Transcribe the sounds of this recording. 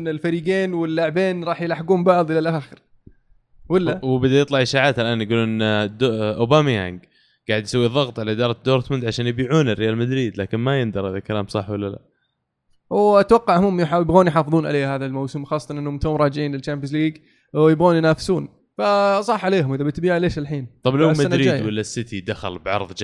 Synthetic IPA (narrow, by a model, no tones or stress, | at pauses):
nɪlfaɾiːɡeːnwɪlːaʕbeːnɾˤɑːħjlaħɡuːmbɑʕðˤʔɪlalʔaːxɪɾ | wɪlːawbɪd̪ajɪt̪ˤlɑʕʔɪʃaːʕaːt̪ʔalʔaːnjɪɡuːluːnnd̪ʔʊbamja̰ŋɡ | ɡ̥aːʕɪd̪jɪsawːiðˤɑɣt̪ˤʕalaʔɪd̪ɑːɾˤɑd̪oːɾt̪mʊnd̪ʕaʃaːnjɪbiːʕuːnɪrːɪjaːlmad̪ɾiːd̪laːkɪnmajɪnd̪ɑɾˤhaðakalaːmsˤɑħwalːala̰ | wʔat̪wɑqːɑʕhmʊmjħajɪbɣoːnjħɑːfɨðˤuːnʕa̰leːhaːðalmawsɪmwxɑːsˤːɑt̪ɑnʔɪnːʊmt̪ʊːmɾˤɑːd͡ʒɪʕiːnlɪlt͡ʃaːmp̬jɪs̬liːɡ | jɪbɣoːnijnaːfɪ̥suːn | fasˤɑːħʕaleːɦʊmʔɪðabɪt̪biːʕaleːʃalħiːnt̪ˤɑblawmadnɾiːdwalːasːɪt̪id̪axa̰lbʕɑ̰ɾˤðˤd͡ʒ